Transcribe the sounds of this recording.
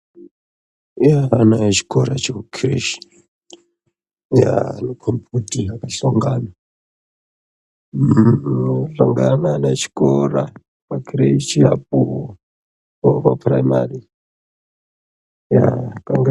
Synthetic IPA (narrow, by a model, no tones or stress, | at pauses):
jaːnajt͡ʃi̥koɾa̰t͡ʃekukʰirḛʃi̥ | ja̰nokʰomputiakaɬoŋɡana | ɬoŋɡananat͡ʃi̥koɾa | pakʰireʃiap̚u | opapraima̰ri | jakaŋɡ